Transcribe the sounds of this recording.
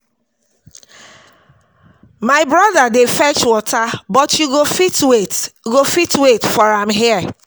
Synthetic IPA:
maɪbɹɔðadefɛt͡ʃwɔtʰabɔtjuɡofitwetɡofitwetfɔɹãmɦiə

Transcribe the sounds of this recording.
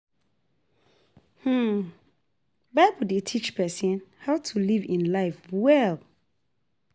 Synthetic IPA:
hm̩ | baɪbəldetʰit͡ʃpʰɛsĩnhaʊtʰulivĩnlaɪfwɛlˠ

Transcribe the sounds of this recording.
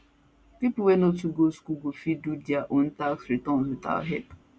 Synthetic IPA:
pipʊwɛnotuɡoskuɡofidudjaʔɔn̩taksɾitɔ̃n̩zita̰ɦɛ̰p

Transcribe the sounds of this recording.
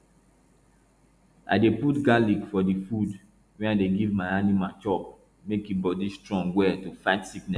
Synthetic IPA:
ʔa̰deputɡalikfɔdifud | wɛ̃naɪdeɡivmaɪanimat͡ʃɔp̚ | mekibɔdistɹɔ̃ŋɡwɛtufaɪtsiknɛs

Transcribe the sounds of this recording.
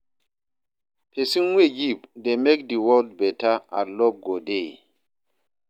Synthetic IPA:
pʰesinweɡipdemek̚diwɔld̚bɛtaa̰lɔb̚ɡode

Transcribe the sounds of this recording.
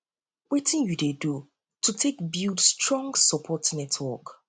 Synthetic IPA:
wetĩnjudedu | tʰutʰekbildstɹɔ̃ŋɡsɔpʰɔtnɛtʰwɔk

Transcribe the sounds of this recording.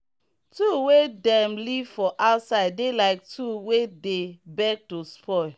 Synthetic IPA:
tuwedɛ̃mlivfɔʔaʊtsaɪdːelaɪk̚tʰuwedebɛk̚tospʰɔɪ

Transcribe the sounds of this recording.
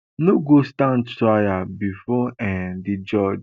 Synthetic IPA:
noɡostãndtɹajabifɔɛ̃did͡ʒɔd͡ʒ

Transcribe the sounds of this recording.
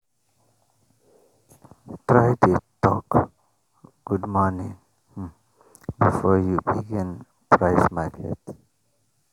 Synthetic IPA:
tɹajtutɔk | ɡ̥udmɔnĩŋ | bifɔjubiɡĩn | pʰɹaɪsmakʰɛ̰t

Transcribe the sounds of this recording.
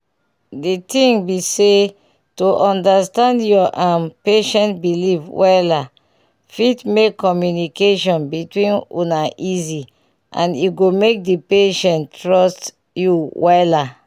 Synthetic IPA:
ditĩŋbise | tuʔɔ̃ndastãndjɔʔãmpeʃɛ̃ntbilivwʔɛla | fitmekːɔmjunikeʃɔ̃nbitwĩnṵnaʔizi | ʔã̰niɡomek̚dipeʃɛ̃ntɹɔst | juwɛla

